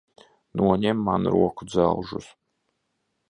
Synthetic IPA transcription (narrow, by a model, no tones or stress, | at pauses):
nuɔɲʲɛmːanɾuɔkud̪za̰lˠʒṵs